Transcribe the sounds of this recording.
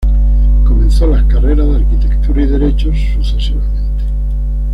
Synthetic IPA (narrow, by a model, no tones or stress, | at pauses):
ko̞mẽnθolaskareɾazðeaɾkit̪ekt̪uɾaiðe̞ɾe̞t͡ʃosːuθesiβamẽnt̪e̥